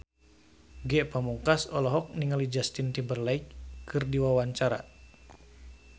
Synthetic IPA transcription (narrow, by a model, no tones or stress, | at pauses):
ɡɛʔpamuŋkasɔlɔɦɔk̚niŋalid͡ʒast̪int̪imbərlaikkɨrdiwawaɲt͡ʃaɾa̰